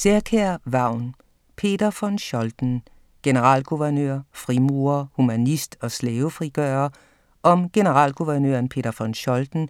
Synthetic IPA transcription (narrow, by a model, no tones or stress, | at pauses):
seɐkʰæɐʋɑ̈ʊ̰n | pʰe̝̰ːd̥ɐfɒ̽nɕɒ̽ld̥n̩ | ɡ̥e̝nəʁɑ̰̈ːl̰ɡ̥uʋɐnøɐ̰fʁimuɐhumænisd̥ɒ̽slɛːʊfʁiɡ̥œːɐ | ʔɒ̽mɡ̥e̝nəʁɑ̰̈ːlɡ̥uʋɐnøɐnpʰe̝̰ːd̥ɐfɒ̽nɕɒ̽ld̥n̩